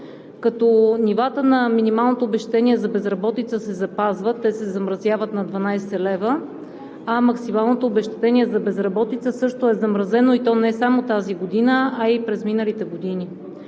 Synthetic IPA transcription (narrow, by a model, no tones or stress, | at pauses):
kɐt̪ɔnivat̪ənɐminimalˠnot̪oːbɛʃt̪ɛ̥t̪ɛniɛzɐbɛzɾɐbɔt̪it̪səsɛzɐpazvət̪ːɛsɛzɐmɾɐzjavət̪nɐd̪vɐnajsɛlɛvə | ɐmɐksimalˠnot̪oːbɛʃt̪ɛ̥t̪ɛniɛzɐbɛzɾɐbɔt̪it̪səsɤʃt̪oɛzɐmɾɐzɛnoit̪ɔnɛsamot̪aziɡod̪inəɐipɾɛzminəlit̪ɛɡod̪ini